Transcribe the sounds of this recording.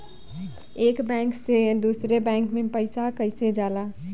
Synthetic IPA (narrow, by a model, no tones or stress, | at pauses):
eːkbɛ̃ksed̪usɾebɛ̃ŋkmẽpəɪsakəɪsed͡ʒala